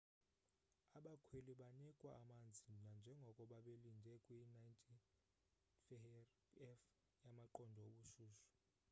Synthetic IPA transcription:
aɓakʰweliɓanikʼwaːmand͡zʱinand͡ʒʱɛŋɡʱɔkʼɔɓaɓelindʱɛkʼwinajntʰʼi | fɛ | ɛf | jamaǃɔndʱɔoɓuʃuːʃɔ̥

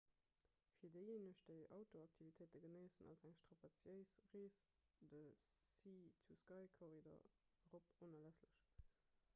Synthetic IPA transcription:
fiːɐdəɪjeːnəɕd̥əɪʔɑʊtoɑk̚tʰivitʰeɪtəɡənəɪsənɑ̰zæŋʃtʁ̥ɑpɑt͡sjəɪsʁeːs | d̥əiːt͡suskɑɪkʰoʁidɐ̰ʁoponɐlæsləʃ

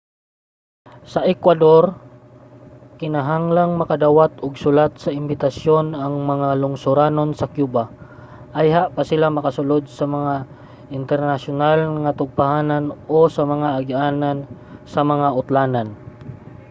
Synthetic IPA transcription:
sɐʔɛkwad̪oɾ | kɪnaɦaŋlaŋmɐkad̪awat̪ʊɡsʊlat̪̚sɐʔɪmbɪt̪asjo̞naŋmɐŋalʊŋsʊɾaːno̞nsɐkjuːba | ʔajɦaʔpasɪlamɐkasʊlod̪̚sɐmɐŋa | ʔɪnt̪ɛɾnaʃʊnalŋat̪ʊɡ̚pahaːnanʔosɐmɐŋaʔːɡiʔaːnansɐmɐŋaʊt̪laːnan

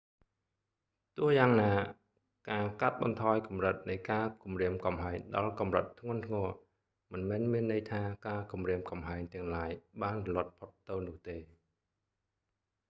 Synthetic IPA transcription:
t̪ʊ̆əhjaːŋnaː | kaːkat̪̚ɓɑnt̪ʰɑːjkɑmrət̪̚nɨjkaːkumriəmkɑmɦaɛŋɗɑlkɑmrət̪ʰːŋʊ̆ənt̪ʰŋɔə | mɨnmɛːnmiənːəjt̪ʰaːkaːkumriəmkɑmɦaɛŋt̪ɛ̆əŋlaːjɓaːnrlŏət̪̚pʰot̪ːɨwnʊ̆əht̪eː

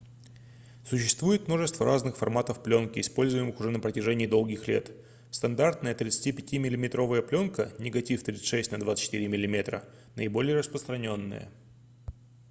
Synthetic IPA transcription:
sʊɕːɪst̪vujɪt̪mno̞ʐɨst̪vəɾʔaznɨxfɐ̰rmat̪əfplʲonkʲɪːspo̞lʲzʊjɪmɨxʊʐɛnəpɾətʲɪʐɛnʲɪːd̪o̞lˠɡʲɪxlʲe̞̰t̪ | st̪ɐnd̪art̪nəjət̪ɾʲɪt̪sɨ̥tʲipʲɪtʲimʲɪlʲɪmʲɪt̪ɾo̞vəjəplʲo̞nkənʲɪɡɐtʲift̪ɾʲit̪sɨ̥tʲʂɛsʲtʲnɐd̪vat̪sɨ̥t͡ɕːɪ̥t̪iɾʲɪmʲɪlʲɪmʲe̞t̪ɾə̰ | nə̰ɪbo̞lʲɪjəɾəspɾəst̪ɾɐnʲo̞nːə̰jə̰

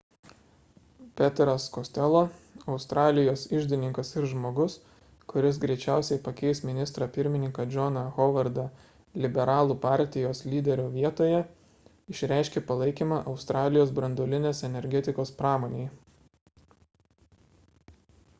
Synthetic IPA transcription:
pʲɛt̪ʲɾɐskosʲt̪ʲɛlˠoːɒʊst̪ɾɑːlʲɪjoːsɪʒʲd̪ʲɪnʲɪŋkɐsɪɾʒmoːɡʊs | kʊɾʲɪs̬ɡɾʲɛɪt͡ʃʲæˑʊsʲɛɪpɐkʲɛɪsmʲɪnʲɪst̪ɾɐpʲɪɾʲmʲɪnʲɪŋkɐd͡ʒʲonɐɣoːʋɐɾd̪ɐ | lʲɪbʲɛɾɑːlˠuːpɑˑɾʲt̪ʲɪjoːslʲiːd̪ʲɛɾʲuːʋʲiɛt̪oːjɛ | ɪʃʲɾʲæˑɪʃʲkʲeːpɐlˠɐɪkʲiːmɑʔɒʊst̪ɾɑːlʲɪjoːs̬bɾɐnd̪oːlʲɪnʲeːsɛnʲɛɾʲɡʲɛt̪ʲɪkoːspɾɑːmoːnʲeː

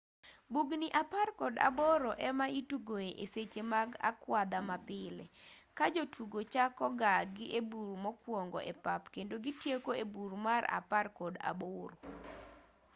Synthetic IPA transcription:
buɡniʔaparkɔda̰bɔɾɔʔɛmaituɡoeʔeset͡ʃemaɡa̰kwad̪amapɪlḛkad͡ʒotʰuɡot͡ʃakɔɡaɡɪʔebuɾmɔkwɔŋɡɔ̰ʔɛpapkendoɡɪtjekoebuɾmara̰parkɔda̰boɾo

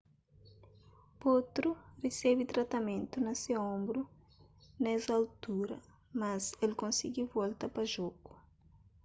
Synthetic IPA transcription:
pot̪ɾuresebit̪ɾat̪ɐmẽnt̪unɐseõmbɾu | nɛzalt̪uɾɐ̰ | mɐzelkõnsiɡivɔlt̪ɐpɐʒoku̥

